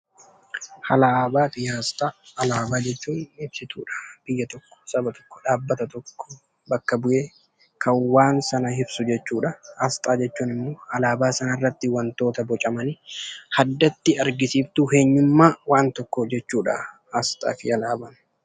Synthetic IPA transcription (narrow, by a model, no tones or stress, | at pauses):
hɐlabaːfɪjaːst̪ʼaːlaːbaːd͡ʒɛt͡ʃːuːnɪbsɪt̪uːᶑɐ̥b̥ɪjːɐt̪ɔkːɔ̥sɐbɐt̪ɔ̥kːɔ̥ᶑaːbːɐt̪ɐt̪ɔkːɔ̥ | bɐkːɐbʊʔeː | kʰɐnwaːnsɐnɐɦɪbsʊd͡ʒɛt͡ʃːuːᶑɐaːst̪ʼaːd͡ʒɛt͡ʃːuːnɪmːoːhɐlaːbaːsɐnɐɪrːɐt̪ːɪwɐnt̪o̞ːt̪ɐbɔt͡ʃʼɐmɐnɪhɐd̪ːɐt̪ːɪɐɾɡɪsiːft̪ʊhe̞ːɲːʊmːaːwaːnt̪ɔkːɔd͡ʒɛt͡ʃːuːᶑɐ̰ | ast̪ʼa̰ːfɪjɐlaːbɐn